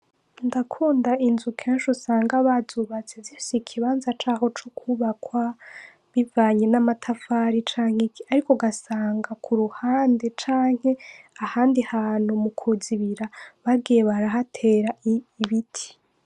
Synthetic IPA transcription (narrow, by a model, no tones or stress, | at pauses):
ndakʰuːndainzukʰeːnʃusaːŋɡaβazuːβat͡sevjeːsikʰiβaːnzat͡ʃaːhot͡ʃokʰuβakwa | βivaːɲe̞namatʰafaɾit͡ʃaːŋhekiaɾikoɡasaːŋɡakʰuɾuhaːnde̞t͡ʃaːŋ̥he̞ahaːndihaːnumukʰuziβiɾaβaɡijeβaɾaɦatʰe̞ːɾaːβitʰi̥